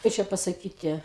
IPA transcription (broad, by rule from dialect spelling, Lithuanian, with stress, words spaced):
ˈkɐɪ t͡ʃʲɛ pɐsɐˈkʲiːtʲɪ